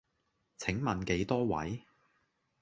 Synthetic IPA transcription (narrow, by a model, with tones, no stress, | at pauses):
t͡sʰɪ˨˥ŋmɐ˨nke˨˧˥jt̪ɔː˥wɐ̰˨˥j